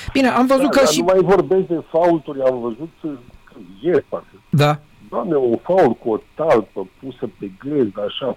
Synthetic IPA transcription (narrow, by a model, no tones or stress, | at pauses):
b̥ineʔamvəzut̪kəniumajvo̞rbest̪̚d̪e̞fault̪uɾʲamvəzut̪kjesparfəd̪a | d̪oamneofault̚kuot̪alpəpusəpeɡlezd̪əaʃa